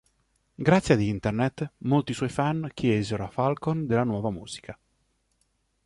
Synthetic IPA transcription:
ɡɾat̪sːjad̪int̪ernet̪ːmolt̪iːswɔjfank̟ʰjɛːzeɾoafalkond̪elːanwɔːvamṵːz̥i̥kʰa

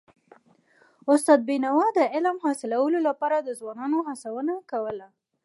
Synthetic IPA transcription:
ʊst̪ɑd̪̚binawɑd̪əɪlmhɑsɪlawəlolapɑɾad̪əzwɑnɑnoɦasawənakawəla

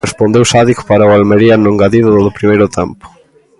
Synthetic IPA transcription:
espond̪ewsaðikpaɾaʊalmeɾiɐnõŋɡaðiðʊðʊðʊpɾimejɾʊt̪ɛmpʊ̥

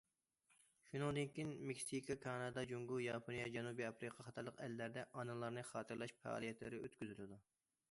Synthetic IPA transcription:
ʃunɨŋd̪ynkʲinmekʲsikʰɑkʰɑnɑd̪ɑd͡ʒoŋɡujɑpʰonijɑd͡ʒɛnubiɑpɾɨqʰɑχɑt̪ʰɑɾlˠəqɛlːæɾd̪ɛʔɑnɨlˠɑɾnɨχɑːt̪ʰɨɾlˠɑʃpɛ̰ɑ̰lˠijɛt̪lɪ̰ɾɪøt̪kʲyzylɪd̪u

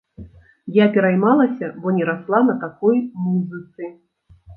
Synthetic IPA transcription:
japʲɛɾajmalˠɐsʲɐbɔnʲɛɾaslˠanɐt̪akɔjmuzɨt̪sɨ

